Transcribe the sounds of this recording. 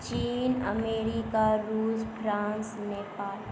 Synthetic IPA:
t͡ʃiːnə̰meːɾikaɾuːzfʰɾãːnsneːpaːl

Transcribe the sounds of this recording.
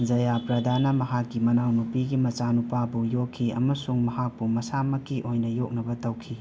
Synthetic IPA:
d͡ʒɐjapɾɐd̪ʱanɐmɐɦakːimɐnawnupiɡimɐt͡ʃanupabujokʰːiɐ̰mɐsuŋmɐɦak̚pumɐsamɐkiʔojnɐjok̚nɐbɐtɐwkʰi

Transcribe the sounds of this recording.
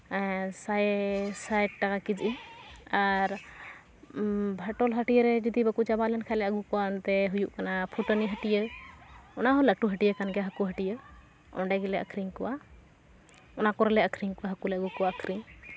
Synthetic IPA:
sasajʈʈakakid͡ʒʔiaɾ | bʱəʈɔlɦəʈijəɾɛd͡ʒɔd̪ibəkut͡ʃabalɛnkʰalɛəɡukɔwant̪ɛɦujuʔkanapʰuʈoniɦəʈijə | ɔnaɦɔləʈuɦəʈijəkanɡɛaɦəkuɦəʈijə | ɔ̰ɳɖɛɡɛlɛʔə̰kʰɾiŋkɔwa | ɔnakɔɾlɛəkʰɾiŋkɔwaɦəkulɛəɡukɔwaəkʰɾiɲ

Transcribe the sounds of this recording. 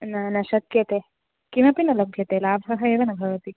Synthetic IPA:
nɐnɐʃɐt̪̚kjɐt̪e | kimɐpinɐlɐbʱjɐt̪elaːbʱɦɐɦɐeːʋɐnɐɡʱɐʋɐt̪i

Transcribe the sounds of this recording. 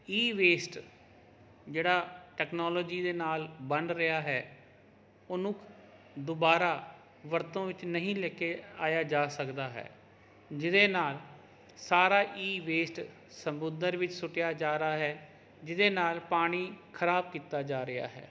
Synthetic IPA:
iːʋeːsʈ | d͡ʒeːɽaːʈɛːknoːlɔːd͡ʒiːd̪eːnaːlbəɳɖɾɪjaːɦɛː | ʊnũːk | d̪ʊbaːɾaː | ʋəɾt̪õːʋɪt͡ʃnəɦĩːlɛːkeːaːjaːd͡ʒaːsəkd̪aːɦɛ̰ː | d͡ʒɪd̪eːnaːl | saːɾaːʔiːʋeːsʈ | səmbʊnd̪əɾʋɪt͡ʃsʊʈjaːd͡ʒaːɾaːɦɛː | d͡ʒɪd̪eːnaːlpaːɽ̃iːkʰəɾaːb̚kiːt̪aːd͡ʒaːɾɪja̰ːɦɛ̰ː

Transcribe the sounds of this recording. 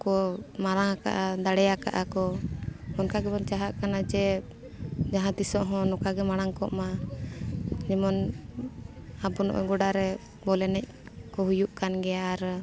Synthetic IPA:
kɔmaɾaŋaka̰ʔad̪aɽɛjaka̰ʔakɔmɔnkaɡɛbɔnt͡ʃaɦaʔkanad͡ʒɛ | d͡ʒaɦãt̪isɔʔɦɔ̃nɔkaɡɛmaɽ̃aŋkɔ̰ʔma | d͡ʒɛmɔn | abɔnɔ̰ʔɔ̰ɡɔɖaɾɛ | bɔlɛnɛc̚ | kɔɦujuʔkanɡɛaaɾ

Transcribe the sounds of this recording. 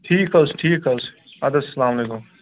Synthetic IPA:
ʈʰiːkɐlsʈʰiːkɐls | ad̪ɐsɐlaːm̃mɐleːkũm

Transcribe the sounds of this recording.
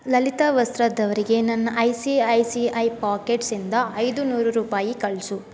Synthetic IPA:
lɐlit̪aːʋɐst̪ɾɐd̪ɐʋɐɾiɡe̞nɐnːɐʔɐjsiɐjsiɐjpaːkeʈsind̪ɐɐjd̪unuːɾuɾuːpaːjikɐɭsu

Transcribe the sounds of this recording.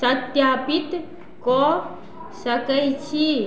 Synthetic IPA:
sət̪jaːpɪt̪ | ko | səkəjt͡ʃʰi

